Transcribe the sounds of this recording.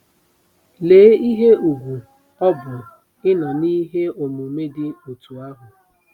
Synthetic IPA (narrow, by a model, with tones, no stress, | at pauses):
leː˨˦i˦ɦe˦u˨ɡʷu˨ | ɔ˦bʊ˨ | ɪ˦na˨niː˦ɦe˦o˨mʊ˨me˦dɪ˦o˨tu˨a˦ɦʊ˨